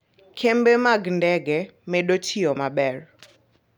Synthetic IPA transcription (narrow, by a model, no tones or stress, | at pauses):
kʰembemaɡndɛɡɛmeɗotʰiomabɛr